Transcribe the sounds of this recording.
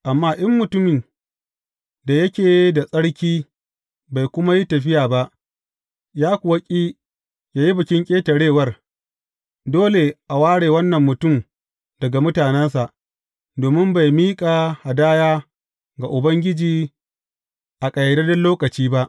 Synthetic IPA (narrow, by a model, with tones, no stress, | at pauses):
ʔa˨mːaː˦ʔɐ˦mːʊ˨tʊ˦mɪ˨n | da˨jɐ˦kʲeː˨˦da˨sʼɐ˦ɽkʲiː˦ | ba˨jkʷʊ˦ma˦ji˦tɐ˨ɸ̬ɪ˦jaː˨ba˦ʔ | jaː˦kʷʊ˨wɐ˦kʲʼiː˦ | jaː˦ji˦bɐ˨kʲɪ˦ŋkʲʼeː˦tɐ˨ɽeː˦˨wɐ˦r | doː˦le˨ʔa˨waː˦ɽeː˨wɐ˦nːɐ˨mːʊ˨tʊ˦˨m | dɐ˨ɡa˨mʊ˦taː˨nɛ˦nsa˨ʔ | doː˨mɪ˦mba˨jmiː˦kʼa˨ha˨daː˦jaː˦ | ɡa˨ʔʊ˨bɐ˦ŋɡʲɪ˦d͡ʒiː˨ | ʔa˨kʼɐ˨jda˦dɐ˦loː˦kɐ˨t͡ʃiː˦ba˦ʔ